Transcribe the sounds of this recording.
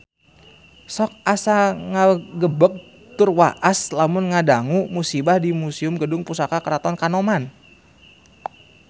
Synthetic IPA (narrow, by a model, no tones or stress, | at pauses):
sɔk̚asaŋaɡəbək̚ | t̪ʊrwa̰ʔaslamʊnŋadaŋumusibahdimusiʊmɡədʊŋpusakakəɾat̪ɔnkanoman